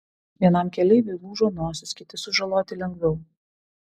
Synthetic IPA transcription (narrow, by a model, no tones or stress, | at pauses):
ʋʲiɛnɐmkʲɛlʲɛɪʋʲelˠuːʒoːnoːsʲʊskʲɪt̪ʲɪsʊʒɐlˠoːt̪ʲɪlʲɛŋɡʋʲɛʊ